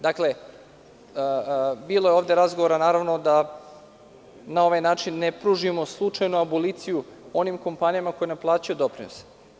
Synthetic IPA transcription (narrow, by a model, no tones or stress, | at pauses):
d̪akle̞ | biːlˠojeo̞ːvd̪e̞ɾazɡoʋoɾanaːɾaʋno̞d̪a | nao̞ʋajnaːt͡ʃinːepɾuʒimo̞slˠut͡ʂajnuaboliːt̪sijuo̞nimko̞mpanijamako̞jenaplˠaːt͡ɕajud̪o̞pɾinos